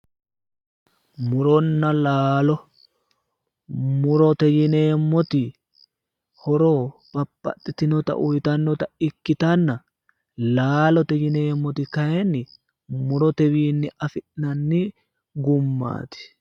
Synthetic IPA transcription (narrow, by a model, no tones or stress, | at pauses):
mʊɾɔnːɐlaːlɔ | mʊɾɔt̪ɛjɪne̞ːmːɔt̪ɪ | hɔɾob̥ɐpːɐ̰t̪ʼːɪt̪ɪnɔt̪ɐ̰ʔʊjt̪ɐnːɔt̪ɐɪkːɪt̪ɐnːɐ | laːlɔt̪ɛjɪne̞ːmːɔt̪ɪkɐjɛnːɪ | mʊɾɔt̪ɛwiːnːɪɐfɪʔnɐnːɪ | ɡʊmːa̰ːt̪ɪ̥